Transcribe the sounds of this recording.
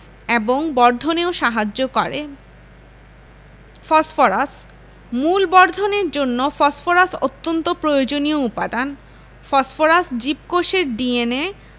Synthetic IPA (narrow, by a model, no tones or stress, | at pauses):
eboŋbɔɾd̪ʱoneoʃaɦad͡ʑːokɔɾḛ | fɔsfoɾas | mulbɔɾd̪ʱoneɾd͡ʑonːofɔsfoɾaso̰t̪ːont̪opɾojod͡ʑonijoupad̪an | fɔsfoɾasd͡ʑipkoʃeɾɖiene